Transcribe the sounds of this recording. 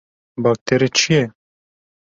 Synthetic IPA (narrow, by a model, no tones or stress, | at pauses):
baːk̚t̪ʰeɾet͡ʃʰijɛ